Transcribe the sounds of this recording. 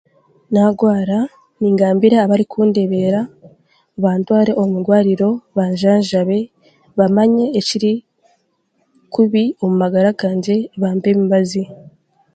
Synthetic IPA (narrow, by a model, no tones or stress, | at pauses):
naːɡwaːɾa | niːŋɡaːmbiɾaːβaɾikʰuːnde̞βe̞ɾa | uβaːntwaːɾe̞ʔoumudɡwaːɾiɾo̞βaɲʒaːɲʒaβe̞ | βamaɲe̞ːciɾi | kuβio̞mumaɡaɾaɡaːɲɟe̞βaːmbe̞βimbazi